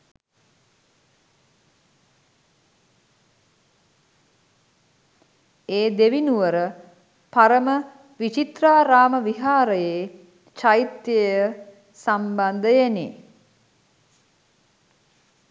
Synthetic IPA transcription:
eːd̪eʋinuʋəɾə | paɾəmə | ʋit͡ʃit̪raːɾaːməʋiɦaːɾəjeː | t͡ʃajit̪jejə | samband̪əjenḭ

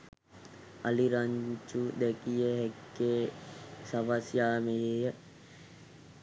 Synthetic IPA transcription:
ɐliɾaɲt͡ʃud̪ɛkijəɦekːeːsɐʋasjaːmejeːjə

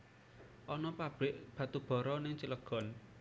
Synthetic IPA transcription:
ʔɔnɔpab̥ɪʔb̥ä̤t̪ub̥ɔ̤ɾɔnɪŋt͡ʃələɡ̥ɔ̤n

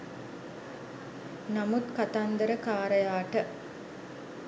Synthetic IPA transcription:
nɐmut̪kat̪and̪əɾəkaːɾəjaːʈə

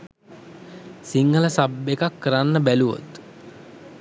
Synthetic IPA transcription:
siŋɡələsabːekakːəɾanːəbæluʋo̰t̪

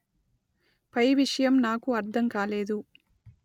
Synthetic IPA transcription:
pɐjʋiʂɐjɐmnaːkuɐɾd̪ʰʱɐmkaːleːd̪u

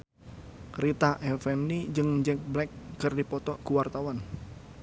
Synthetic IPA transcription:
kɾit̪aʔɛfɛmnid͡ʒɨŋd͡ʒɛk̚blɛk̚ːərdipɔt̪ɔʔkuwart̪awan

